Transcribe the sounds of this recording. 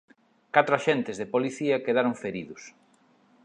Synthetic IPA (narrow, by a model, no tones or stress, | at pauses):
kat̪ɾʊaʃent̪ɪzðepoliθiɐkeðaɾʊŋfeɾiðʊs